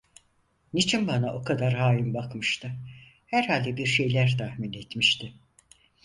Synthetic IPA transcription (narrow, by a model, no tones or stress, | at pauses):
nit͡ʃʰinbanaʔo̞kʰad̪aɾɦaːjimbakmɯʃt̪ʰɯ | hæɾhalʲd̪ɛbiɾʃe̞jlʲæɾt̪ʰahminet̪miʃt̪ʰɪ